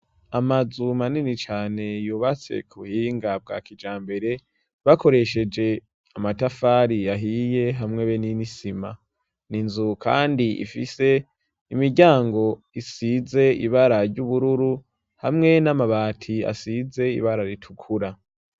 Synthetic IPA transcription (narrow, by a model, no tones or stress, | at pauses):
amazumaninit͡ʃaːne̞juːβat͡se̞̰kʰuhiːŋɡab̚ɡa̰ːkid͡ʒaːmbe̞ɾe̞ | βako̞ɾe̞ʃe̞d͡ʒe̞ | amatafaɾiaɦije̞ɦamŋe̞βeninisima | ninzukʰa̰ːndiḭfise̞ | imiɾɟaːŋɡo̞ | isize̞ḭβaɾaɾɟuβuɾuɾu | hamŋe̞namaβaːtʰia̰size̞ḭβaɾaɾitʰukʰuɾa